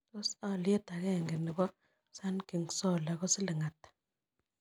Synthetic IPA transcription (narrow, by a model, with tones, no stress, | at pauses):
tɔ˦sa˦˨lɪ˦ɛ˦ta˨kɛ˦˨ŋɡe˨nɪ˨kɔ˦ | sa˦nki˨ŋsɔ˦˨la˨kɔ˦sɪ˦lɪ˨ŋa˨t